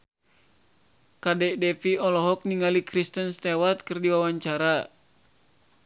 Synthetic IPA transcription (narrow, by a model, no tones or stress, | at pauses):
kadɛdɛfiɔlɔɦɔk̚niŋalikɾist̪ənst̪ɛwat̪̚kɨrdiwawaɲt͡ʃaɾa